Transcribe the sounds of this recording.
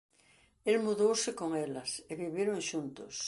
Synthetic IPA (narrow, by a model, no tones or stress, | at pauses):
elmuðowsekoŋelaseβiβjeɾoŋʃunt̪os